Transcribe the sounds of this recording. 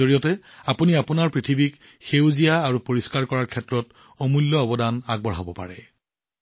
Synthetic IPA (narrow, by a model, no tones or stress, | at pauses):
oɹijɔtɛ | apuniapunaɹpɹitʰibik | xewzijaːɹupoɹiskaɹkɔɹaɹkʰɛtɹɔt | ɔmulːɔːbɔdanaɡ̚bɔɹɦabɔpa̰ɹɛ̰